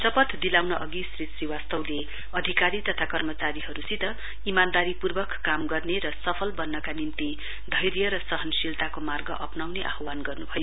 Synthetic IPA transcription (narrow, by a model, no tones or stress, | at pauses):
sʌpʌt̪d̪ilawnʌʔʌɡisrisriwast̪ʌwle | ʌd̪ʱikaɾit̪ʌt̪ʰakʌrmʌt͡saɾiɦʌɾusit̪ʌ | imand̪aɾipurbʌkːamɡʌrneɾʌsʌpʰʌlbʌnːʌkanint̪i | d̪ʱʌjɾjʌɾʌsʌɦʌnsilt̪akomarɡʌʔʌpnawneʔa̰ɦwanɡʌrnubʱʌjo